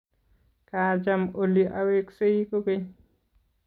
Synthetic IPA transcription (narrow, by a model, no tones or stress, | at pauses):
kaːd͡ʒamoliʔaweksejkoke